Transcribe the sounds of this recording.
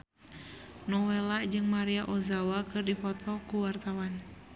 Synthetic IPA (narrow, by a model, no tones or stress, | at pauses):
nɔwelad͡ʒɨŋmaɾiaʔɔzawakɨrdifɔt̪ʰɔkuwart̪awan